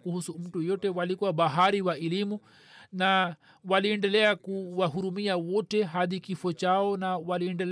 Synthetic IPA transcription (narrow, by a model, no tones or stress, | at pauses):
kuhusum̩tujɔtɛwalikuwaɓaɦaɾiwaɛlimu | na | waliɛndɛlɛakuwaɦuɾumiawɔtɛɦaðikifɔt͡ʃaɔnawaliɛndɛl